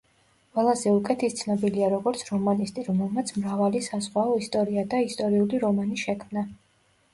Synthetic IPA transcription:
qʼwɛlˠazɛukʼɛt̪ʰist̪sʰnɔbiliaɾɔɡɔɾt̪sʰɾɔmanist̪ʼiɾɔmɛlˠmat̪sʰmɾavalisasʁwaɔist̪ʼɔɾiad̪aist̪ʼɔɾiuliɾɔmaniʃɛkʰmna

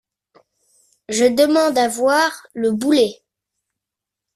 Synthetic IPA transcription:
ʒəd̪əmɑ̃d̪avwaʁləbule

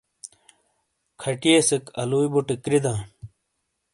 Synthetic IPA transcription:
kʰɐʈijesekɐluibuʈikɾid̪ãː

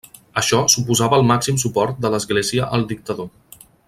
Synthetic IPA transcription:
əʃɔsupuzaβəːlˠmaksims̬upɔɾt̪̚d̪ələzɣleziəʔəlˠd̪ik̚t̪əðo

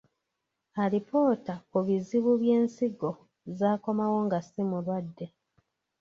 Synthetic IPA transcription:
aɾipo̞ːtakuβiziβuβjeːnsiɡo̞ | zaːko̞mawo̞ːŋɡasimulwadːe̞

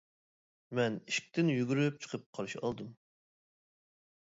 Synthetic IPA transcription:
mɛniʃkʲt̪ɪnjyɡʲyɾyp̚t͡ʃʰə̥qʰəp̚qʰɑɾɨʃɑ̰lˠd̪um

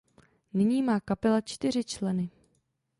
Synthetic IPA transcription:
nɪɲiːmaːkapɛlat͡ʃt̪ɪɾ̝ɪt͡ʃlɛnɪ

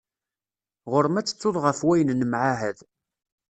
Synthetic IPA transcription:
ʁʊɾmæt͡sːə̥t͡sːoðˤʁəfwæjənnəmʕaɦæð

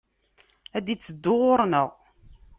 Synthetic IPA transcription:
æd̪it͡sːəd̪ːʊʁʊɾˤnəʁ

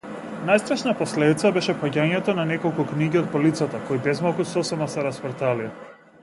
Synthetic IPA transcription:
najst̪ɾaʃnapɔslɛd̪it̪sabɛʃɛpaɟaɲɛt̪ɔnanɛkɔlˠkukniɟiɔd̪̚pɔlit̪sat̪akɔjbɛzmalˠkusɔsɛmasɛɾasfɾt̪ali

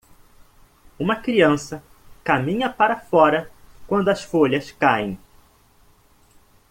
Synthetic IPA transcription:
ũmɐkɾiɐ̃sɐ | kamĩɲɐpaɾɐfɔɾɐkwɐ̃nd̪ʊɐsfoʎɐskaḛ̃j̃

